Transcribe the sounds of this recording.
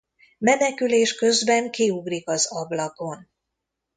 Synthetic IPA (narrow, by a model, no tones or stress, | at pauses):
mɛnɛkyleːʃkø̞zbɛŋkiuɡrikɒzɒblɒko̞n